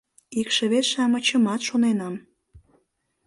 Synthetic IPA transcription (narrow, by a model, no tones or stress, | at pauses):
ikʃə̆βet̪ʃɑmə̆t͡ɕə̆mɑt̪ʃonenɑm